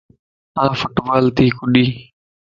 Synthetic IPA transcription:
ãːfʊʈʋaːlt̪iːkʊɗiː

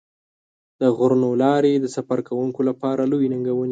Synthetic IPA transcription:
d̪̥əɣʊɾnolɑɾed̪əsafaɾkawuŋkolapɑɾalojnəŋɡawəni

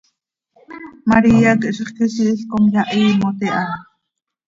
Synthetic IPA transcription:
maɾiːakʔʃəχkisiʔɬkomjɑʔiːmot̪eʔɑ

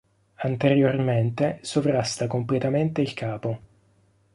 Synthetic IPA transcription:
ant̪eɾjorment̪esovɾast̪akomplet̪ament̪eilkʰaːpo

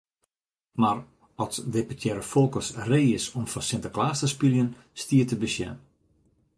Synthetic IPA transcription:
mar | ɔlsdepətʰjɛɾəfolˠkəsreːɪsɔmfɔnsɪntəklaːstəspiljən | stiətəbəsjɛ̰n

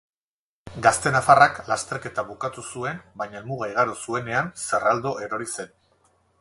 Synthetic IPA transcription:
ɡast̪e̞nafaraklast̪e̞ɾke̞t̪aβukat̪usue̞nbaɲaelmuɣ̞ajɣ̞aɾosue̞ne̞anserald̪o̞ʔe̞ɾo̞ɾise̞n

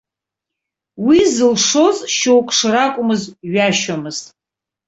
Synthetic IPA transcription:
wizɨlʂo̞zʃowkʼʂrakʷʼʊmɨzɥaʃamɨz̥tʼ

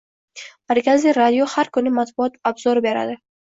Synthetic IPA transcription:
maɾkaziɾad̪ijɔhaɾkunimat̪̚bʊɔt̪abzɔɾbeɾa̰d̪a

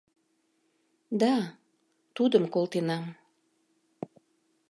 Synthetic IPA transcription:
d̪ɑ | t̪ud̪əmkolt̪enɑm

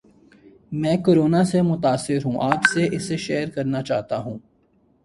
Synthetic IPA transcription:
mɛ̃ːkoːɾoːnasemʊt̪aːsːɪɾɦũːʔaːpseʔɪseʃeːɾkɐɾnat͡ʃaːɦt̪aɦũː

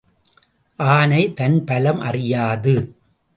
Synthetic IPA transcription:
ʔaːnɐɪt̪ɐnpɐlɐmʔɐ̰rɪjaːðɯ

